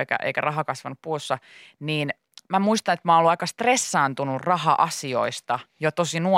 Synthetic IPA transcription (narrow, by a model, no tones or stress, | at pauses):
ekæ̰ʔḛikærɑɦɑkɑsʋɑnuppuːsːɑniːn | mæmuist̪ɑnet̪mɑːnolːuɑikɑst̪resːɑːnt̪unurrɑhɑʔɑsio̰ist̪ɑjot̪osinu